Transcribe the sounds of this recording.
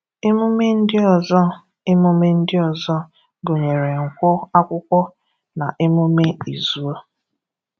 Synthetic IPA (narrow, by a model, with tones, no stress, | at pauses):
e˦mu˦me˦n̩˦dɪ˦ɔ˨zɔ˦˨ | e˦mo˦me˦n̩˦dɪ˦ɔ˨zɔ˦ | ɡo˨ɲe˨ɾe˨ŋ̩˨kʷɔ˦a˦kʷʊ˦kʷɔ˦ | na˨ʔe˦mu˦me˦i˨zu˦o˦